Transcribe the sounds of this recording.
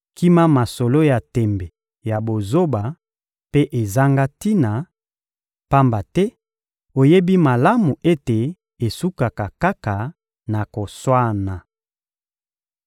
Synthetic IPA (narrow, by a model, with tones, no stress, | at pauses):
ki˦ma˦ma˨so˨lo˦ja˨tɛ˨mbɛ˨ | ja˨bo˨zo˦ba˨ | pe˦ʔe˨za˦ŋɡa˦ti˦na˨ | pa˦mba˨tɛ˦ | o˨je˦bi˦ma˨la˦mu˨ʔe˦te˨ | e˨su˦ka˨ka˨ka˦ka˨ | na˨ko˨swa˦na˨